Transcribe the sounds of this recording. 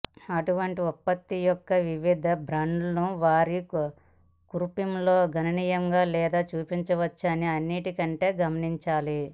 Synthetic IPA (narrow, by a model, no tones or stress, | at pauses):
ɐʈuʋɐɳʈiɔpːɐt̪ːijɔkːɐʋiʋid̪ʱɐbɾɐɳɖnuʋaːɾi | kuɾpimloːɡʱɐnɐniːjɐŋɡaːlɛːd̪aːt͡ʃuːpiɲt͡ʃɐʋɐt͡ʃːɐnːiɐnːiʈikɐɳʈe̞ːɡɐmɐniɲt͡ʃaːli